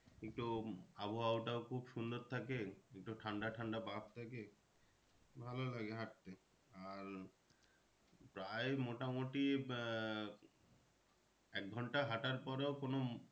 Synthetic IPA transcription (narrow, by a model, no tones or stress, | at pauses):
ek̚ʈuabowawʈaokʰubʃund̪oɾt̪ʰakeek̚ʈuʈʰaɳɖaʈʰaɳɖabʱab̚t̪ʰake | bʱalolaɡeɦaʈ̚t̪e | aɾ | pɾaemoʈamoʈi | ɛk̚ɡʱɔɳʈaɦaʈaɾpɔɾeokono